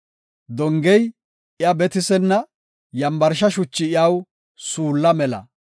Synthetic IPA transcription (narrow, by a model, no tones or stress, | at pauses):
d̪ɔŋɡɛj | ɪɐbɛt̪ɪsɛnːɐ | jɐmbɐɾʃɐʃʊt͡ʃːɪɪjaw | suːlːɐmɛlɐ̰